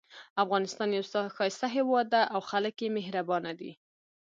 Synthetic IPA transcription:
afɣɑnɪst̪ɑnjawsxɑjɪst̪aɦewɑd̪ːaʔawxaləkjemeɦɾabɑnad̪ḭ

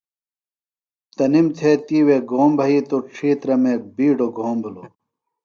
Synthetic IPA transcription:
t̪ɐnimt̪ʰet̪iːweːɡoːmbʱɐiːt̪oʈ͡ʂʰiːt̪ɾɐmeːbiːɖoɡʱoːmbʱulo

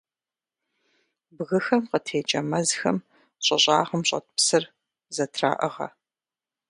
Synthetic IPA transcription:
bɣɨxɐmqətʰeːt͡ʃʼɐmɐzxɐ̰m | ɕʼɐɕʼaːʁɐmɕʼɐ̰t̚ʰʼpsɨr | zɐtʰra̰ːʔɐʁɐ̰

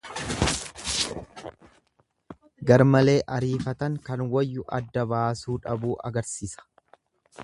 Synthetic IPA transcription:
ɡɐɾmɐle̞ːʔɐɾiːfɐt̪ɐŋkɐnwɐjːʊʔɐ̰d̪ːɐbaːsuːᶑɐbuːʔɐ̰ɡɐɾsiːsɐ̥

